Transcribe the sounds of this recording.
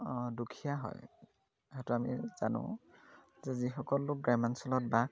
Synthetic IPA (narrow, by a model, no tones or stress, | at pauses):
dukʰijaɦɔ̰j | ɦɔjtʊamḭza̰nʊ̰̃ | zɛzixɔkɔlːʊk̚ɡɹajmansɔlɔt̚bak